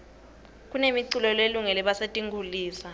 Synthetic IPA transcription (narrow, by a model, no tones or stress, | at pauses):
k̬ʼunemiǀulɔleluŋɛlɛɓasetʼiŋɡʱuliːsa